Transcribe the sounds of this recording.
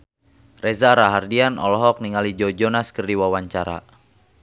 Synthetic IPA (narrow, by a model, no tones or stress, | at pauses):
rɛzaɾaɦardianɔ̰lɔɦɔk̚niŋalid͡ʒɔd͡ʒɔnaskərdiwawaɲt͡ʃaɾa̰